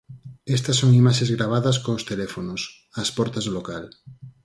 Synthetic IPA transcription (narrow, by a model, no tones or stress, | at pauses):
est̪ɐsːoŋimaʃezɣɾaβ̞aðɐskoːst̪elɛfonos | ɐspɔɾt̪ɐzðlokal